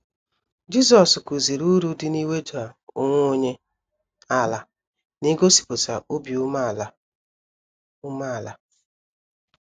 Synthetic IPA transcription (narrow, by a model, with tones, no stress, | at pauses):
d͡ʒi˦zɔ˨sku˨zi˨ɾu˦ɾu˦dɪ˦ni˦we˦d͡ʒu˨a˨ʊ˨ŋʷ˦o˦ɲe˦ | a˦la˦ | ni˦ɡo˦si̥˨pʊ˨sa˨ʔo˦bi˨u˦ma˦˨l | ʊ˦ma˦a˨la˦